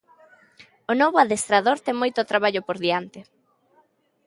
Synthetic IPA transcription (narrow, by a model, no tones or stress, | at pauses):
ʊnoβoaðest̪ɾaðoɾt̪ɛŋmojt̪ot̪ɾaβaʎopoɾðiant̪ɪ